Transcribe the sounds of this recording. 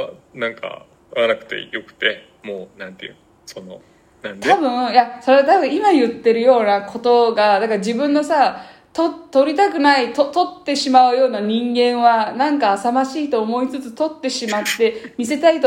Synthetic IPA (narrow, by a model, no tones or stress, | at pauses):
anãŋka̰ | anakɯ̟̥t̪e̞̰jo̞kɯ̟̥t̪e̞ | moːnãnt̪eɯ̟̃ | so̞no̞ | nãnt̪ʰabɯ̟̃jaso̞ɾet̪abɯ̟ɰ̃imajɯ̟t̪ːe̞ɾɯ̟jo̞ːnakʰo̞t̪o̞ɡad̪akad͡ʑibɯ̟̃nːo̞sa | t̪ot̪ːo̞ɾʲit̪ak̬ɯ̟nait̪ot̪o̞t̪ːe̞ɕimaɯ̟jo̞ːnaɲ̟ĩŋɡẽ̞ɰ̃βanãŋkaːsamaɕiːt̪o̞ːmo̞it͡sɨt͡sɨ̥t̪o̞t̪ːe̞ɕimat̪ːe̞mʲise̞t̪ait̪o